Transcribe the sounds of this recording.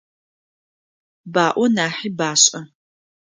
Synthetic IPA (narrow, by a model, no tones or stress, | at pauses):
baːʔʷɔnaːħiːbaːɕʼɐ